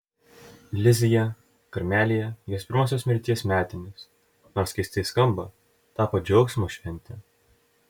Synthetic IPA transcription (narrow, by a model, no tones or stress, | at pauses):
lʲɪzʲɪjɛ | kɐɾʲmʲæːlʲijɛjoːspʲɪɾmoːsʲoːsmʲɛɾʲt̪ʲiɛsmʲæːt̪ʲɪnʲɪs | noɾskʲɐɪsʲt̪ʲɐɪskɐmbɐ | t̪ɑːpod͡ʒʲɛʊksmuʃʲʋʲɛnʲt̪ʲɛ